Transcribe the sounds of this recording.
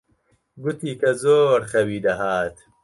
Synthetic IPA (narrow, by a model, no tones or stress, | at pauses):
ɡʊt̪iːkɐzoːɾχɐwiːd̪ɐɦaːt̪